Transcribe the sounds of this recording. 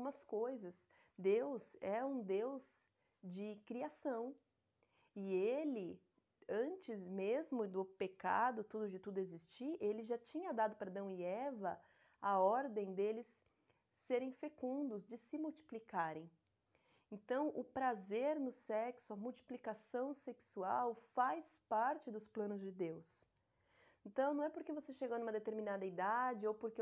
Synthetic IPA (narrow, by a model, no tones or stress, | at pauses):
umɐskojzɐs | d̪ewzɛũd̪ewz | d͡ʒɪkɾiasɐ̃w̃ | ɪelɪ | ɐ̃nt͡ʃɪzmezmʊd̪ʊpeka̰d̪ʊt̪ud̪ʊd͡ʒɪt̪ud̪ʊezist͡ʃielɪʒat͡ʃĩɲɐd̪ad̪ʊpɾɐd̪ɐ̃w̃iɛvɐ | ɐɔɾd̪ẽj̃d̪elɪsː | eɾẽj̃fekũnd̪ʊzd͡ʒɪsɪmuwt͡ʃi̥plikaɾẽj̃ | ẽnt̪ɐ̃w̃ʔʊpɾazeɾnʊsɛksʊɐmuwt͡ʃi̥plikasɐ̃w̃seksuawfajspaɾt͡ʃɪd̪ʊsplɐ̃nʊzd͡ʒɪd̪ews | ẽnt̪ɐ̃w̃nɐ̃w̃ɛpoɾkevoseʃeɡonũmɐd̪et̪eɾmĩnad̪ɐid̪ad͡ʒɪowpʊɾke